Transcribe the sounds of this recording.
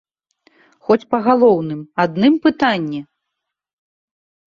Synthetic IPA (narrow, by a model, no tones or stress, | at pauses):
xɔt͡sʲpɐɣalˠɔwnɨmad̪nɨmpɨt̪anʲːɛ